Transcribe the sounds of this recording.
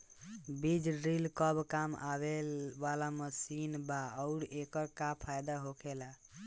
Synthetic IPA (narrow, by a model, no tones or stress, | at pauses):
bid͡ʒɖɾilkəbkama̰βelʋalamesinbaəʊɾekəɾkapʰajd̪aɦokʰela